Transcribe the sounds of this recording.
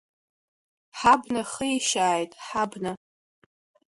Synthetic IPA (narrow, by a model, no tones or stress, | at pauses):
ħabnaχəjʃaːjtʼħabna